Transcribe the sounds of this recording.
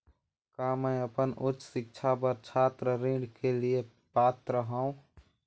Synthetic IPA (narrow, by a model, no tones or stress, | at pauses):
kaːmə̃jəpənʊtːt͡ʃːsɪk̚t͡ʃʰapəɾt͡ʃʰaːt̪ɾəɾĩːɖkelie | paːt̪ɾəɦaũ